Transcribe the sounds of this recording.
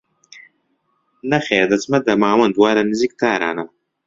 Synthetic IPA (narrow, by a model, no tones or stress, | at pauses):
nɐχʲead̪ɐt͡smɐd̪ɐmaːwɐnd̪waːɾɐnɨzik̚t̪ʰaːɾa̰ːna